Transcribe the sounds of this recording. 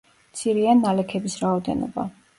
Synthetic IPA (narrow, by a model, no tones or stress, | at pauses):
mt̪sʰiɾianːalɛkʰɛbisɾaɔd̪ɛ̰nɔ̰ba̰